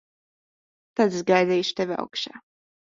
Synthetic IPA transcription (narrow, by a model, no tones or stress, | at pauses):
t̪ad̪zɡajd̪ɛjʃt̪ɛvʲia̰wkʃaː